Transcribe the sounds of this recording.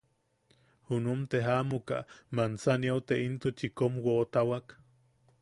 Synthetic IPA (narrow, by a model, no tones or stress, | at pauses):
hunumt̪eɦaʔmuka̰mant͡saniawt̪eint̪ut͡ʃikomwoʔt̪awak